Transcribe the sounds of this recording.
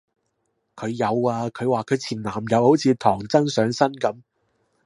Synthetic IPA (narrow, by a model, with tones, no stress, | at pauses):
kʰɵ˨˧ɥjɐ˨˧waː˧kʰɵ˨˧ɥwaː˨kʰɵ˨˧ɥt͡sʰiː˨˩nlaː˨˩mjɐ˨˩w̚ho˨˥wt͡sʰiː˨˧t̪ʰɔː˨˩ŋt͡sɐ˥ŋsœː˨˧ŋsɐ˥nkɐ˨˥m